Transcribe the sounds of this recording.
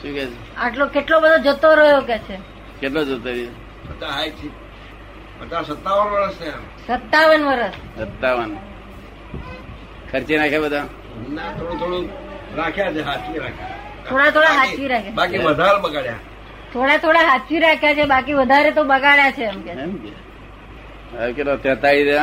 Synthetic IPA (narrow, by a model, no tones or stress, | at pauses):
ʃũkjat͡ʃʰe | aʈlokeʈlobəd̪ʱod͡ʒət̪oɾəjokɛt͡ʃʰe | keʈlod͡ʒət̪oɾi | ət̪aɦajt͡ʃʰi | ət̪asət̪ːaʋənʋəɾəsneɛm | sət̪ːaʋənʋəɾəs | sət̪ːaʋən | kʰəɾt͡ʃenakʰjabəd̪ʱa | nat̪ʰoɽũt̪ʰoɽũɾakʰjat͡ʃʰeɦat̪ʰt͡ʃiɾakʰja | t̪ʰoɽat̪ʰoɽaɦat̪t͡ʃiɾakʰjabakiʋəd̪ʱaɾebəɡaɽja̰ | t̪ʰoɽat̪ʰoɽaɦat̪t͡ʃiɾakʰjat͡ʃʰebakiʋəd̪ʱaɾet̪obəɡaɭjat͡ʃʰeamka | akeʈlot̪jət̪aɭid̪e